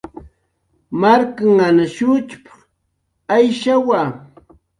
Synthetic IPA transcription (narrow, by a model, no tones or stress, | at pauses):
maɾkaŋanaʃʊt͡ʃpḁχ | ajʃawaː